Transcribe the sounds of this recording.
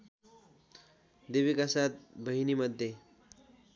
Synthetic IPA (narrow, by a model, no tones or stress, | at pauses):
d̪eʋikasat̪̚bʱəɦiniməd̪ʱːje